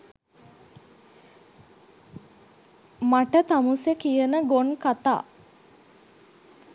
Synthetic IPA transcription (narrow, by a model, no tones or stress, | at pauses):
maʈət̪amusekijənəɡonkat̪a̰ː